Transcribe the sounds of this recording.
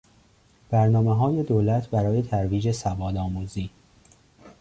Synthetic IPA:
b̥æɾnɒːmeɦɒːje̞d̪oːlæt̪ʰbæɾɒːje̞t̪ʰæɾviːd͡ʒe̞sævɒːd̪ɒːmuːziː

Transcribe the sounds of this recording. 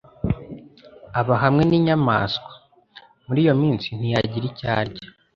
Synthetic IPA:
aβaɦamŋe̞niɲama̰ːskwḁ | muɾijo̞miːnsin̥ijaɟiɾica̰ːɾɟa

